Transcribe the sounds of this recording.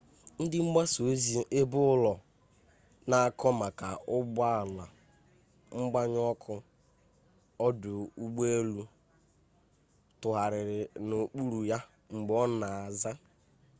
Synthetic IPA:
n̩˦dɪ˦ŋ͡m̩˦ɡ͡ba˦so˨˦zi˦ʔe˦bʊ˦ʊ˦lɔ˨ | na˨a˨kʰɔ˦ma˨ka˨ʊ˦ba˦˨la˨ | ŋ͡m̩˦ɡ͡ba˦ɲ˦ɔ˦kʰʊ˦ | ɔ˦dʊ˨u˦ɡ͡be˦e˦lu˦ | tʊ˨ɦa˨ɾɪ˨ɾɪ˨no˨k͡pu˦ɾu˨ja˦ | ŋ͡m̩˨ɡ͡bɔ˦na˨a˨za˦

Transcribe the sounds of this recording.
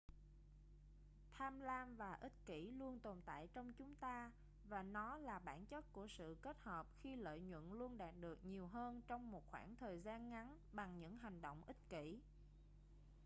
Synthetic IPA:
t̪ʰaː˧mlaː˧mvaː˨˩ʔi˦˥t̟̚kḭ˧˩lu˧ənt̪o˨˩nt̪a̰ː˧˨jt͡ɕɔ˧wŋ͡mt͡ɕʊ˨˦ŋ͡mt̪aː˧ | vaː˨˩nɔ˨˦laː˨˩ɓaː˧˩nt͡ɕə˦˥t̚ku˧˩əsɨ̰˧˨ke˦˥t̚həː˨˩p̚xi˧lə̰ː˧˨jɲwə̰˧˨nlu˧ənɗaː˨˩t̚ɗɨ˨˩ək̚ɲi˨˩əwɦəː˧nt͡ɕɔ˧wŋ͡mmo˨˩t̚xwaː˧˩ŋt̪ʰəː˨˩jzaː˧nŋa˨˦n | ɓa˨˩ŋɲɨ̰˧˥ŋɦa˨˩jŋ̟ɗo̰˧˨wŋ͡mʔï˦˥t̚kḭ˧˩

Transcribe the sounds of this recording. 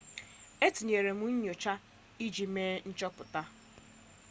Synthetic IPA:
e˦ti˨ɲe˨ɾe˨mu˦ɲ̩˦ɲo˨t͡ʃa˦ | i˦d͡ʒi˨meː˦n̩˦t͡ʃɔ˦pʊ˨ta˦

